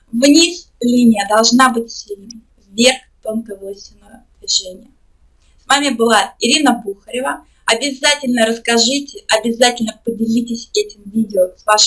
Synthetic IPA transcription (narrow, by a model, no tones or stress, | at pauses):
vnʲislʲinʲɪjəd̪ɐlˠʐnabɨt̚ʲsʲilʲ | vvʲe̞rxt̪onkəvosʲtʲɪnəvəd̪̥vʲɪʐɛnʲɪjə | svamʲɪbɨlˠaɪɾʲinəbuxəɾʲɪvə | ɐbʲɪzatʲɪlʲnəɾəskɐʐɨtʲɪʔɐbʲɪzatʲɪlʲnəpədʲɪlʲitʲɪsʲɛtʲɪmvʲidʲɪoəsvaʂ